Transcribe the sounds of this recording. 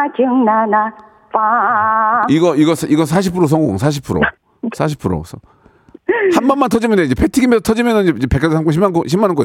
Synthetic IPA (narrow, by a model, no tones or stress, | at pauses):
t͡ɕɯŋnana | pa | iɡʌiɡʌsiɡʌsʰaɕ̬ʰipʰuɾos̬ʰʌŋɡo̰ŋsʰaɕ̬ʰipʰuɾo̰ | sʰaɕ̬ʰi̥pʰuɾo̰sʰʌ | hanmanmantʰʌd͡ʑimɯndeid͡ʑepʰetʰiɡimesʰʌtʰʌd͡ʑimjʌnɯnid͡ʑeid͡ʑepek͈aɡesʰamk͈ʌɕʰimːankoɕʰimːanɯnko